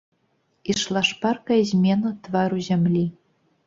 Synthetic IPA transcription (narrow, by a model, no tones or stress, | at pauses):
iʃlˠɑʃpɑrkɑzʲmʲenŏt̪vɑɾuzʲɘ̆mʲlʲi